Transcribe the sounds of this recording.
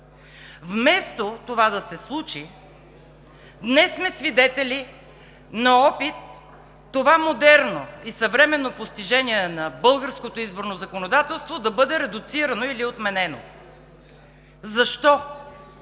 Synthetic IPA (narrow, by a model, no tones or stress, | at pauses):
vmɛst̪ot̪ovad̪ɐsɛslˠut͡ʃi | d̪nɛsːmɛsvid̪ɛt̪ɛli | nɐɔpit̪ː | ovamod̪ɛɾnoisɐvɾɛmɛnːopost̪iʒɛnʲiɛnɐbɤlˠɡəɾskot̪oizboɾnozɐkonod̪at̪ɛlˠst̪vod̪ɐbɤd̪ɛɾɛd̪ʊt̪siɾənoiliot̪mɛnɛno | zɐʃt̪ɔ